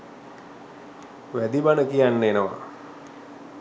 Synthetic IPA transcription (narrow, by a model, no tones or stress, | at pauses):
ʋæd̪ibanəkijanːəenəʋa̰